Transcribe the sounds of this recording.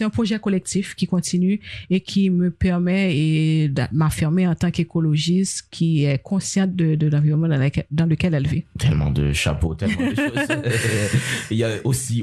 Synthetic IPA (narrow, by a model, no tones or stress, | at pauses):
sɛt̪ɛ̃pχoʒɛkɔlɛk̚t̪ifkʲikɔ̃t̪ʰinyekʲʰiməpɛʁmɛed̪mafiʁmeɑ̃t̪ɑ̃kekɔloʒist̪kʲʰiɛkʰɔ̃sjɑ̃d̪əd̪əlɑ̃viʁɔnmɑ̃d̪ɛd̪ɑ̃ləkɛlɛlvit̪ʰɛlmɑ̰̃d̪ə̰ʃa̰pot̪ɛlm̰̃dəʃoz | iljaosi